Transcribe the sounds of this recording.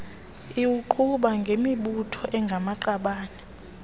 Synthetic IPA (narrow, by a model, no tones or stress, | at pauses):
iwuǃʰuɓaŋɡʱemiɓutʰɔʔɛŋɡʱamaǃaɓaːnɛ